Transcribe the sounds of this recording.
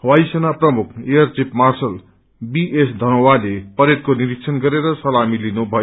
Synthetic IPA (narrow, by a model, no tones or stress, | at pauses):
wajsʌnaprʌmukʰejʌrt͡sipmarsʌl | biʔesd̪ʱʌnowalepʌɾet̪̚koniɾiksʰʌnɡʌɾeɾʌsʌlamilinubʱʌjo